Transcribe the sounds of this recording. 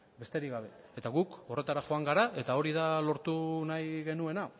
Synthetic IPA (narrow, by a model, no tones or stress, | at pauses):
be̞st̪e̞ɾiɣɡaβ̞e̞ | et̪aɣuko̞re̞t̪aɾaʝo̞aŋɡaɾae̞t̪ao̞ɾiðalo̞ɾt̪unajɣe̞nue̞na